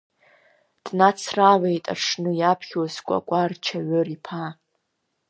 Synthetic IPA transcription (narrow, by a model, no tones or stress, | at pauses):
d̥nat͡sʰrawejtʼa̰ʂʰnɨjapʰχʲwazkʷʼa̰kʷʼart͡ʃʰaɥɨripʰa